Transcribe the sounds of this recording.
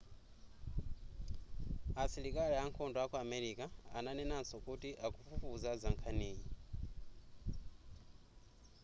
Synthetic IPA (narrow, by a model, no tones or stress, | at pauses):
asiɾikʼaliaŋkʰɔndɔakuamɛɾikʼaananɛnansɔkutiʔakufufuzazaŋkʰaniːɲi